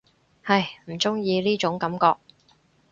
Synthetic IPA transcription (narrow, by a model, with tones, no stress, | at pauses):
hɐ˨jm̩˨˩t͡sʊ˥ŋjiː˧liː˥t͡ʃʊ˨˥ŋkɐ˨˥mkɔː˧k̚